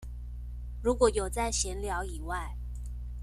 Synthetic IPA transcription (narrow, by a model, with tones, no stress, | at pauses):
ɻu˧˥kwɔ˨˥˦jo˨˩ʊt͡sa˥˩ɪɕjɛ˧˥nljɑ˧˥ʊi˨˩wa˥˩ɪ